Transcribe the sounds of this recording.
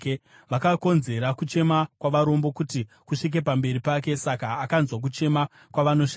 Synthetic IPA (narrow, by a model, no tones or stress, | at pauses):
ʋakako̞nze̞ɾakut͡ʃe̞makwaʋaɾo̞mbo̞kuti | kuʂik̬e̞pambe̞ɾipake̞sakaːkanzwak̬ut͡ʃe̞ma | kwaʋano̞ʂi